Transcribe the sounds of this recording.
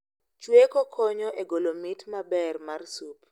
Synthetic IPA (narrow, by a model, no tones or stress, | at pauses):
t͡ʃwekɔkʰɔɲɔʔeɡolomitmabɛrmarsup